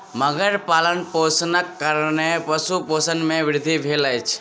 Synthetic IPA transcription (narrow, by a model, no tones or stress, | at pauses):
məɡəɾpalənposnəkːəɾnepəsuposənmẽʋɪɾd̪ʱːibʱeləjt͡ʃʰ